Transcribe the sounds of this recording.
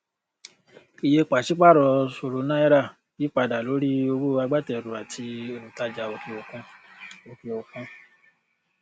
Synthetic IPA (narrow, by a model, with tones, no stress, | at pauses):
i˧je˧k͡pa˨ʃi˦k͡pa˦˨ɾɔ˧so˨ɾo˨˧˦nã˦ɛ˦ɾa˦˨ | bi˨˦k͡pa˧da˨lo˨˦ɾi˦o˧wo˦a˧ɡ͡ba˦˨tɛ˧˨ɾu˨a˨tʰi˧e˧ɾũ˨ta˨˧d͡ʒa˧o˧ke˧o˧kũ˧ | o˧ke˧o˧kũ˧